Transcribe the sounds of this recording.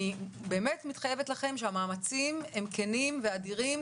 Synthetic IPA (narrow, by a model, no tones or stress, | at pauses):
ibe̞ːme̞tmitχaje̞vetlaχe̞mʃeamaːmat͡simemkenimveadiʁim